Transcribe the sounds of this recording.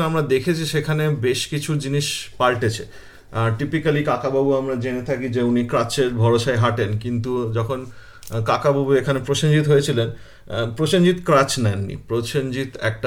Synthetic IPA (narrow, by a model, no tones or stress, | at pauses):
amɾad̪ekʰet͡ɕʰiʃekʰanebeʃkit͡ɕʰud͡ʑiniʃpalʈet͡ɕʰe | aɾʈipikalikakababuamɾad͡ʑenet̪ʰakid͡ʑeunikɾat͡ɕeɾbʱɔɾoʃaeɦaʈenkint̪ud͡ʑɔkʰon | kakababuekʰanepɾoʃoɲd͡ʑit̪ɦojet͡ɕʰilen | pɾoʃond͡ʑit̪kɾat͡ɕnɛnːḭpɾot͡ɕond͡ʑit̪ɛ̰k̚ʈa